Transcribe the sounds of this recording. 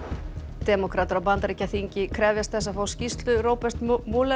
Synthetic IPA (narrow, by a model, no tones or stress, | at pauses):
t̪ɛːmɔkʰɾat̪aɾawpant̪aɾicaθiɲcɪkʰɾɛːvjast̪θɛsːafaːwscist̪lʏɾoːwpɛst̪muːlɛ